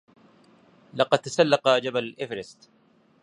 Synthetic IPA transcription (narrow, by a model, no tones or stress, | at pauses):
lɑqɑd̪̚t̪ːasalːɑqɑd͡ʒaballʔɪfɾɪst̪